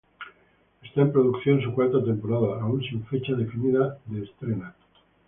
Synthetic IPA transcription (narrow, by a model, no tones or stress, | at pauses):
est̪aempɾoðukθjo̞ns̬ukwaɾt̪at̪empoɾaðaːunsiɱfet͡ʃaðefiniðaðeːst̪ɾena